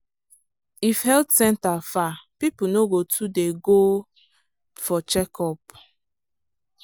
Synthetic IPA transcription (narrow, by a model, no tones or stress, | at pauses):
ifhɛltsɛ̃ntafapipunoɡotʰudeɡo | fɔt͡ʃɛkʰɔp̚